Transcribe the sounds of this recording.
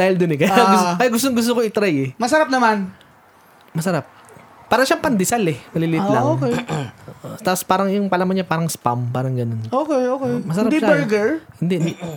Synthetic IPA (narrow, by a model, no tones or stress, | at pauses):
d̪aːhɪld̪ʊnɪkɐjaʔɐjɡʊst̪oŋɡʊs̬t̪okoɪt̪ɾajɛmɐsɐɾap̚nɐman | mɐsɐɾap̚pːaːɾɐʃapɐnd̪ɪsalɛmɐliːliːt̪laŋokɛoʔot̪aːpospaːɾɐŋjʊŋpɐlamɐnɲɐpaːɾɐŋspampaːɾɐŋɡɐnonoːkɛjʔokɛjmɐsɐɾad̪ibɛɾɡɛɹhɪnd̪ɛʔd̪